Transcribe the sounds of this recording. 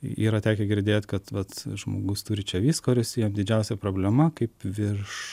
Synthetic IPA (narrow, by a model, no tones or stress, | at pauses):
ḭːɾɐtʲæːkʲɛɡʲɪɾʲd̪ʲeːt̪ʲkɐt̪ʋɐt̪ʒmo̰ːɡʊst̪uːɾʲɪt͡ʃʲɛʋʲiːskoːɾʲʊsʲijɛmd̪ʲɪd͡ʒʲɛʊsʲɛpɾoːbʲlʲɛmɐkɐɪpʋʲɪrʃ